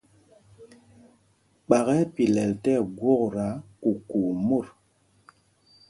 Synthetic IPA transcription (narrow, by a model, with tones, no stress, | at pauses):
k͡pa˨ɣɛ˦pi˨lɛ˨ltɛ˦˨ɡwo˦kɾa˨˦ku˨ku˨mo˦˨ɾ